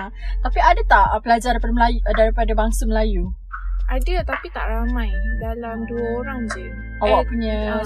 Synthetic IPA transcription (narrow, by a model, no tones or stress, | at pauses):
t̪apiadat̪aʔpəlad͡ʒaɾipadməlajudaɾipadabaŋsaməlaju | ʔadət̪apit̪aʔɾamãjdalamduəoɾaŋd͡ʒi | awapuɲã